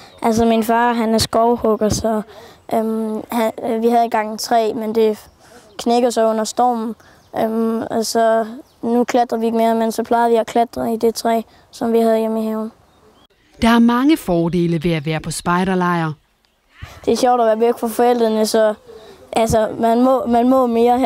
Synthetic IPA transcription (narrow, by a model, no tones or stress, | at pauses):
ʔæls̬ɒminfɑ̈ːɦænəɐsɡ̥ɒʊhɔɡ̥ɐsɒʔmhæʋihæðˠenɡ̥ɑ̈ŋ̰t͡sʰʁɛ̰ːmend̥e̝ | kʰneɡ̥ɐsɒɔ̽n̰ɐsd̥ɒ̰ːmn̩ | ʔømɒsɒ̽ | nukʰlæd̥ʁɐʋie̝ɡ̥memensɒ̽pʰlɑ̈ɪð̩ˠʋiɒkʰlæd̥ʁɐid̥et͡sʰʁɛ̰ː | sɒ̽mʋihæðˠemeɦem | d̥ɑ̈æɐmɑ̈ŋəfɒːd̥e̝̰ːləʋe̝æʋæːɐpʰɒ̽sb̥ɑ̈ɪɾɐlɑ̈ɪɐ | d̥e̝ɐɕɒʊd̥ɐʋæːɐʋøɡ̥fɒfɒ̽el̰d̥ʁɐnəsɒ̽ʔæls̬əmænmɔmænmɔme̝ːɐ